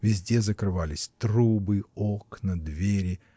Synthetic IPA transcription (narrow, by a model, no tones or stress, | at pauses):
vʲɪzʲdʲe̞zəkɾɨvalʲɪsʲt̪ɾubɨoknɐd̪vʲeɾʲɪ